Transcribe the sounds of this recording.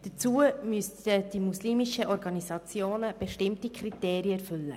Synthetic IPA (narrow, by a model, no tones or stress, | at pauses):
d̥ət͡suːəmyəsəd̥imusliːmiʃəʔɔɾɡɑnisɑt͡sjoːnəb̥ɛʃtɪmtikʰriteːɾiəɛrfʏlːə̰